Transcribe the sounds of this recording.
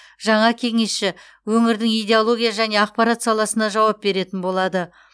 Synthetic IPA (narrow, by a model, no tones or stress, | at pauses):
ʒɑɴɑkʲʰe̞ŋe̞sʃɪ | wɵŋɪɾd̪ɪŋijd̪ʲe̞olˠo̞ɡʲijaʒæne̞ɑq̚pɑɾat̪sɑlˠɑsənɑʒɑwɑp̚be̞ɾe̞t̪ɪnbo̞lˠɑd̪ə